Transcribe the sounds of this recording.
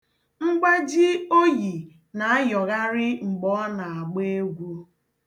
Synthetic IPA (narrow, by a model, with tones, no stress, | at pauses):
ŋ͡m̩˦ɡ͡ba˦d͡ʒi˦o˦ji˨ | na˨a˦jɔ˨ɣa˦ɾɪ˦ŋ͡m̩˨ɡ͡bɔ˦na˨a˨ɡ͡be˦e˦ɡʷu˦